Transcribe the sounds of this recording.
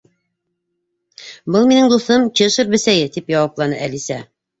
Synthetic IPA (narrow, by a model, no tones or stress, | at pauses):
bɤlˠminɘŋd̪uθɤmt͡ɕiɤʃɤp̚bɘ̆sæjɘt̪ipjɑwɑplˠɑnɤʔælisæ